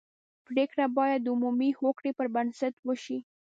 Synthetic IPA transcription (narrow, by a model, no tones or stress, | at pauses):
pɾekɽabɑjad̪ːumumihokɽepəɾbansat̪wəʃi